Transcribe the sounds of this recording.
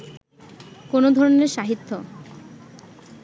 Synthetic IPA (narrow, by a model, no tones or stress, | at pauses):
konod̪ʱɔɾoneɾʃaɦit̪ʰːo